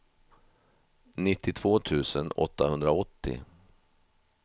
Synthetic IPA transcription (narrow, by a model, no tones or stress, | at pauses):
nɪt̪ːɪt̪ʰv̥oːt̪ʰʉ̟ːsənɔ̰t̪ːahɵnd̪ɾaɔt̪ːɪ̰